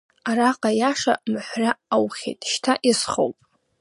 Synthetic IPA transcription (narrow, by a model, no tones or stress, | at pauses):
araqʼajaʂa̰mħʷraawχʲḛjtʼʃtʰaʔisχo̰wpʼ